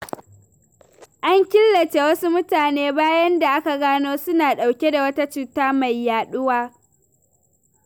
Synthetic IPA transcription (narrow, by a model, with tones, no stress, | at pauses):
ʔa˦ŋkʲɪ˦lːɐ˨t͡ʃe˦wɐ˦su˦mʊ˦taː˨neː˦baː˦jɐ˦nda˨ʔa˦ka˨ɡaː˦noː˦sʊ˦naː˨ɗa˨wkʲe˦da˨wɐ˦ta˦t͡ʃuː˦˨taː˦ma˨jːaː˨ɗʊ˦waː˦